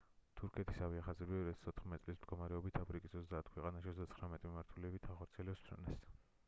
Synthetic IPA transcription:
t̪ʰuɾkʰɛt̪ʰi̥saviaχazɛbiɔɾiat̪ʰḁsʰɔt̪χmɛt̪isʼlismd̪̚ɡɔmaɾɛɔbit̪ʰapʰɾikʼisɔzd̪aːt̪ʰkʰwɛqʼanaʃiɔzd̪at̪sχɾamɛt̪ʼmimaɾt̪ʰulɛbit̪ʰaχɔɾt̪sʰiɛlɛpsʰɾɔ̰nɛs

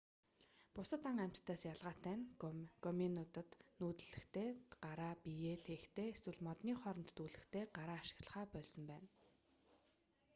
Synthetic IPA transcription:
pʊsə̆t̪aŋæm̥ʲt̪ʰt̪ʰːæːsjaɮʁaːt̪æːnkɔminʊt̪ə̆t̪nuːt̪ɘ̆ɮɘ̆xt̪ʰeːɢaɾaːpijeːt̪ʰeːxt̪ʰeːeswɘ̆ɮmɔt̪niːχɔɾɞ̆nt̪ːuːɮɘ̆xt̪ʰeːɢaɾaːʃɪ̥̆ɣɮə̥̆χaːpœːɮsɞ̆mpæːn

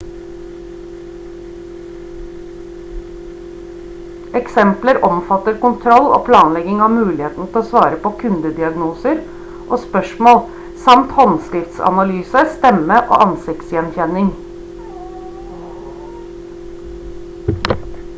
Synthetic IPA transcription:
ɛksɛmpləɾɔmfɑt̪əɾkʊnt̪ʰɾɔlo̰ːpʰlɑːnlɛɡɪŋɑːʋmʉːlɪheːt̪n̩ət̪ʰɪl̩oːsʋɑːɾəpoːkʰʉnd̪əd̪ɪɑɡnuːsəɾ | ʔoːspœʂmoːl | sɑmt̪hɔnskɾɪft̪sɑ̰nɑlyːsəst̪ɛməʔo̰ːʔɑnsɪkt̪sjɛnçɛnɪŋ

